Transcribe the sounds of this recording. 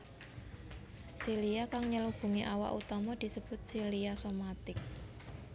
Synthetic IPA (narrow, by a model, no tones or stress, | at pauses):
siliakaŋɲəlub̥ṳŋeʔawa̰ʔut̪ɔmɔd̪̥i̤səb̥ʊ̤t̪̚siliasomat̪ɪk̚